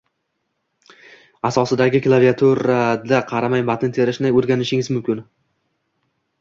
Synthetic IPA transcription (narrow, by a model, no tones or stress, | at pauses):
asɒsɪd̪aɡʲɪklˠavijat̪ʰuɾad̪aqʰɑɾamajbat̪ʰɪnt̪ʰeɾɪʃnajoɾɡʲanɪʃɪŋʲɪzmʊmkʲʰɪn